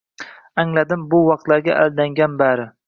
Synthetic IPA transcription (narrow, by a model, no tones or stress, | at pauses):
aŋlad̪ɪmbʊwɑq̚t̪laɾɡʲa̰ʔald̪aŋɡʲanbaɾɪ